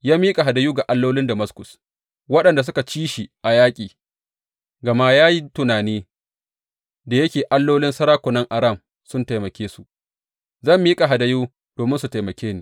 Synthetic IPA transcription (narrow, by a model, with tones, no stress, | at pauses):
jaː˦miː˦kʼa˨ɦa˨da˨juː˦ɡa˨ʔa˦lːoː˦lɪ˦nda˨mɐ˦skʊ˨s | wɐ˦ɗɐ˨nda˨s̬ʊ˦ka˨t͡ʃiː˦ʃi˨ʔa˨jaː˦kʲʼiː˨ | ɡɐ˨ma˦jaː˦ji˦tʊ˨naː˨niː˦ | da˨jɐ˦kʲeː˨ʔa˦lːoː˦lɪ˦nsɐ˦ɾaː˦kʷʊ˨nɐ˦ŋʔa˨ɾɐ˦˨m | sʊ˦nta˨jmɐ˨kʲeː˦su˨ | zɐ˦˨mːiː˦kʼa˨ɦa˨da˨juː˦ | doː˨mɪ˦nsu˨ta˨jmɐ˨kʲeː˦niː˨